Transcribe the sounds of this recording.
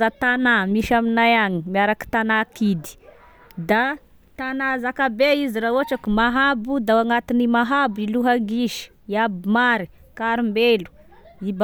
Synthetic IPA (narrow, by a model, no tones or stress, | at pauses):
at̪anamiʃaminajaŋimiaɾaki̥t̪anakid̪i̥ | d̪a | t̪anazakabeiziɾauaʈ͡ʂakumaɦabud̪awaŋat̪inimaɦabiluɦaɡiʃi̥ | iabimaɾi | kaɾimbelu̥ib